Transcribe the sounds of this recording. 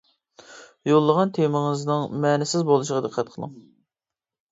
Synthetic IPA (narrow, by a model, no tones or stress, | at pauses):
jolˠːəʁɑnt̪ʰemɪŋɨznɨŋmɛnɪsɪzbolˠuʃəʁɑd̪əqʰːæt̪̚qʰəlˠɨ̰ŋ